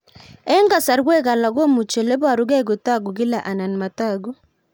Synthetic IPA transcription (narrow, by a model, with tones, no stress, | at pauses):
ɛ˦ŋɡa˨sa˨ɾɡwɛ˦ka˨la˨ɡo˦mu˨t͡ʃe˨le˦ba˨ɾu˦ɡɛ˦ɡu˨ta˦ɡu˨ɡɪ˦la˨ʔa˨na˨nma˨ta˦˨ɡu˦